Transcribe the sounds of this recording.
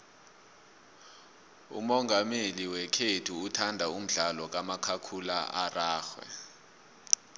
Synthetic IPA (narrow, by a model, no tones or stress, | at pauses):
ṵmɔŋɡʱameliwɛkʰetʰuːtʰandʱaum̩ɮalɔk̬amakʰakʰulaʔaraːxwɛ̰